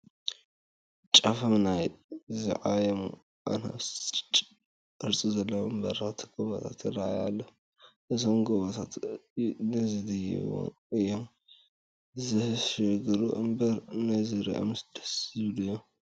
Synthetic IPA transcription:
t͡ʃʼafɐmnajzɨ̰ʕajɛm | ʔa̰nha̰βst͡ʃʼt͡ʃʼ | ʔɨɾt͡sʼizɐlːɐwɨmbɐɾat̪ʰɡ̥oβɐt̪ʰat̪jɪrːaa̰jalːo | ʔɨzomɡoβɐt̪ʰat̪ | nɨzɨd̪ɐjɛ̰wo̰n | ɨjːom | zɨhʃɨɡɾuʔɨ̰mbɐɾnazɨɾḭʔo̰msd̪̥ɐ̥sɨβlujːo

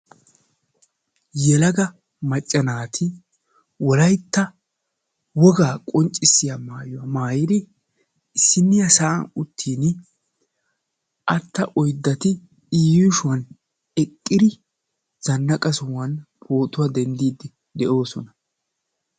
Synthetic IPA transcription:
jɛlɐɡɐ | mɐt͡ʃʼːɐnaːt̪ʰɪ | wɔlɐjt̪ːɐ | wɔɡaːkʼɔnt͡ʃʼːɪsːɪjamaːjʊwɐmaːjɪd̪ɪ | ɪsːɪnːɪjɐsaʔɐ̰nʊt̪ʰːiːn | ʔɐt̪ːɐʔɔjd̪ːɐt̪ɪ | iːjʊʃʊwɐn | ɛkʼːɪd̪ɪ | z̥ɐnːɐkʼɐsʊwɐnpʰo̞ːt̪ʼʊwad̪ɛnd̪iːd̪ːɪ | d̪ɛʔo̞ːsɔnɐ

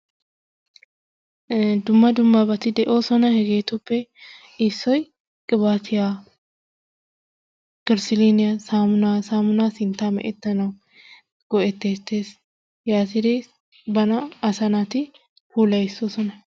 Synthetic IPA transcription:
d̪ʊmːɐd̪ʊmːabɐt̪ɪd̪ɛʔoːsɔnɐhɛɡeːt̪ʊpːɛ | ɪsːɔj | kʼɪbaːt̪ʰɪjaː | kɪɾsɪliːnɪjasaːmʊnaːsaːmʊnaːsɪnt̪aːmɛ̰ʔɛt̪ːɐnɐw | ɡ̥ɔʔɛt̪ːeːt̪ːeːs | jaːt̪ɪd̪eː | bɐnɐɐsɐnaːt̪ɪ | fuːlɐjɪsosɔnɐ

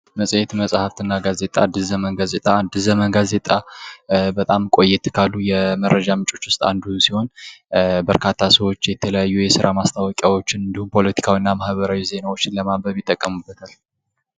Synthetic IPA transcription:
məsʼjɛt̪məsʼhaft̪ʰɨnːaɡaze̞t̪ʼa̰d̪ːɨzəmənɡazet̪ʼad̪ɨzəmənɡaze̞t̪ʼa | bət̪ʼamkʼo̞jːɛt̪kʰalːujɛməɾːəd͡ʒamɨt͡ʃʼo̞t͡ʃːwʊst̪ʼa̰nd̪uhusiho̞n | bəɾkʰat̪ʰːasəwo̞t͡ʃːjɛt̪ʰələjajːujɛsɨɾʔamast̪ʰawɔkʼjawo̞t͡ʃːɪnɨnd̪ihumpʰo̞lət̪ʰi̥kʰawinːamahβəɾawize̞nawo̞t͡ʃːɪnləmabəβɪt̪ʼːəkʼːəmubːət̪ʰal

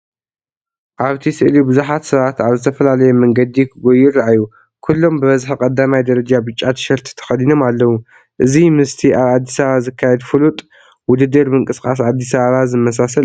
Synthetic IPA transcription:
ʔaβt̪ʰisɨʔlibɨzuħat̪sɨβat̪aβzɨt̪ʰɐfɐlalɐjɛmɐŋɡɐd̪ikʰɨɡojɪɾːaʔajːu | kʰulːo̞mbɨβɐzħkʼɐd̪ːamajd̪ɐɾɐd͡ʒabɨt͡ʃʼat̪ʃɐɾt̪ʰi̥t̪ʰɐ̥xɐlino̞malːɐwu | ʔɨzimɨst̪ʰiʔaβad̪ːisɐɐβazɨkʰːajɛd̪fɨlut̪ʼ | wʊd̪ɨd̪ːɐɾmɨŋkʼɨskʼas̬ad̪ːisɐββazɨmːɐs̬as̬ɐl

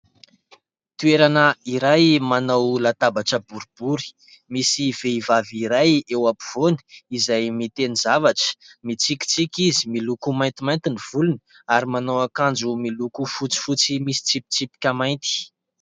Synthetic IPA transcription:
t̪ueɾanəiɾajmanawlat̪abaʈ͡ʂəbuɾub̥uɾi̥ | misiveivaviɾajewapiv̥oni̥izajmit̪enizavaʈ͡ʂə̥mit͡sikʲi̥t͡sikʲizimilukumajnt̪imajnt̪iniv̥uluni | aɾimanawakand͡zumilukufut͡si̥fut͡simisi̥t͡sipi̥t͡sipi̥kʲamajnt̪i̥

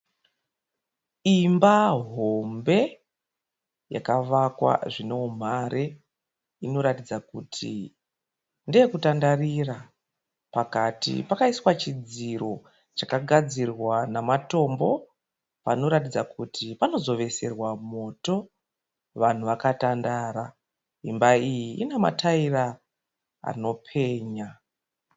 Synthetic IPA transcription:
imbaɦo̞mbe̞ | ja̰kaʋakwa̰ʐine̞um̤aɾe | ino̞ɾatid͡zakutʰḭ | ndeekutandarira | pakatḭpakaiswat͡ʃid͡ziro̞ | t͡ʃakaɡʱad͡zirwanamato̞mbo̞ | pano̞ɾatid͡zakutʰipano̞zo̞ʋe̞serwamo̞to̞ | ʋan̤uʋakatandaːɾa | imbaijiinema̰tʰaira | a̰no̞pʰe̞ːɲa

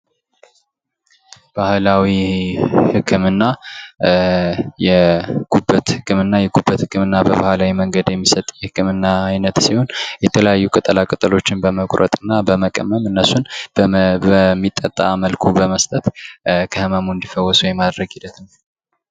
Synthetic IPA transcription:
b̥ahlawi | hɨkʰːɨmɨnːa | jɛɡ̥ubət̪hɨkʰːɨmɨnːajɛɡubːət̪hɨkːɨmɨnːabəbahlawiməŋɡəd̪jɛmːisət̪ʼjɛhɨkʰːɨmɨnːaːjnət̪siho̞njɛt̪ʰələjajːukʼɨt̪ʼɨlakʼɨt̪ʼɨlo̞t͡ʃːɪnbəməkʼɾʔə̰t̪ʼɨnːabəməkʼə̰mːəmɨnːəsunbəmːit̪ʼːət̪ʼːa̰məlkʰubəməst̪ʼət̪kʰəhɨmamund̪ifəwːɔsujɛmad̪ɾəɡhilət̪n

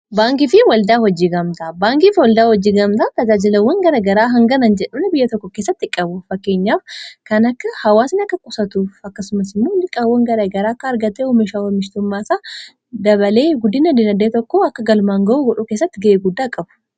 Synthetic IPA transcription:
baːŋkɪfɪwɐld̪aːhɔd͡ʒiːɡɐmt̪ɐbaːŋkiːfwɐld̪aːhɔd͡ʒiːɡɐmt̪ɐt̪ɐd͡ʒaːd͡ʒɪlɐwːɐŋɡɐɾɐɡɐɾaːɦɐŋɡɐnɐnd͡ʒɛᶑɐmnɛbɪjːɐt̪ɔkːɔkeːsːɐt̪ːɪkʼːɐbʊfɐkːe̞ːɲːaːfkɐnɐkːɐhɐwaːsɪnɐkːɐkʼʊsɐt̪uːfɐkːɐsʊmɐsɪmːonɪkʼawːɐŋɡɐɾɐɡɐɾaːɐkːɐːɾɡɐt̪ːehɔmɪʃaːwɐmɪʃt̪ʊmːaːsaː | d̪ɐβɐle̞ːɡʊd̪ːɪnɐd̪ɪnɐd̪eːt̪ɔkːoɐkːɐɡɐlmaːŋɡɐʔuːɡɔᶑukeːsːɐt̪ːɪɡɐʔeːɡʊd̪ːaːkʼɐbʊ̥

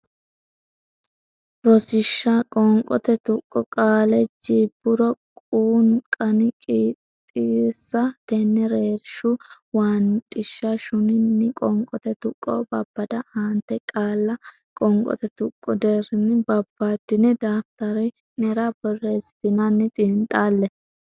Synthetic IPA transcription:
ɾɔsɪʃːakʼɔŋkʼɔ̰t̪ɛt̪ʊkʼːɔkʼaːlɛd͡ʒiːbːʊɾɔkʼuːŋkʼɐnɪkʼiːt̪ʼːɪsːɐt̪ɛnːɛɾeːɾʃʊ | waːnt̪ʼɪʃːɐʃʊnɪnːɪkʼɔŋkʼɔt̪ɛt̪ʊkʼːo̰ːbɐbːɐd̪ɐhaːnt̪ːɛkʼaːlːɐ | kʼɔŋkʼɔ̰t̪ɛt̪ʊkʼːɔd̪ɛɾɪnɪbɐbːaːd̪ɪnɛd̪aːft̪ɐɾɛ | nɛɾabɔrːeːsɪ̥t̪ɪnɐnːɪt̪ʼɪnt̪ʼaːlːɛ

